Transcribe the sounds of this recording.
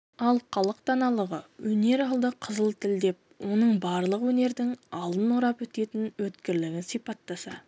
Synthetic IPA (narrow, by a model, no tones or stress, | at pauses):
ɑlˠqʰɑlˠəqt̪ɑnɑlˠəʁəwɵne̞ɾɑlˠd̪əqʰəzəlˠt̪ʰɪld̪e̞p̚wo̞nəɴbɑɾlˠəqwɵne̞ɾd̪ɪŋɑlˠd̪ənʊɾɑpwɵt̪e̞t̪ɪnwɵt̪kʲɪɾlɪɡʲɪsijpɑt̪ːɑsɑ